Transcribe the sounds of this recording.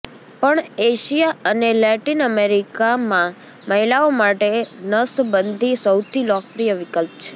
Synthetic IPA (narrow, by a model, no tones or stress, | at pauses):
pəɳeʃijaʔənelɛʈinəmeɾikamã | məɦilaomaʈenəsbənd̪ʱisəwt̪ʰilɔkɾijəʋɪkəlp̚t͡ʃʰe̥